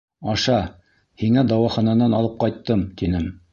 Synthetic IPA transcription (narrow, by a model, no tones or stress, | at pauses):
ɑʃɑ | hiŋæd̪ɑwɑχɑnɑnɑnɑlˠɤp̚qɑjt̪ːɤmt̪inɘm